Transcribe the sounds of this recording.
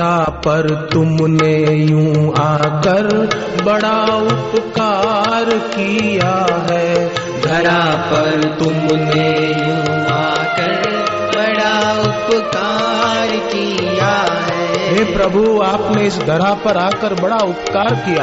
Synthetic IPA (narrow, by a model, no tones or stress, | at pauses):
apɐɾt̪ʊmnejũaːkɐɾ | bɐɽaʊpkaːɾkijaɦɛ | d̪ʱɐɾapɐɾt̪ʊmnejũ | aːkɐɾ | bɐɽaʊpkaː | ɾki | jaɦɛɦeːpɾɐbʱuaːpneɪsd̪ʱɐɾapɐɾaːkəɾbɐɽaʊpkaːɾkija